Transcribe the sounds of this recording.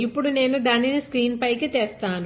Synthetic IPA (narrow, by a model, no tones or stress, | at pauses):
ipːuɽune̞ːnud̪ɐnːiniskɾiːnpɐjkit̪eːst̪aːnu